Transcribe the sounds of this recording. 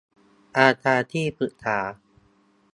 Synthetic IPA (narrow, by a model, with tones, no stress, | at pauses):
ʔaː˧t̪ʰaː˧t̪ʰiː˥˩pʰɯ˨˩ʔt̪ʰaː˩˦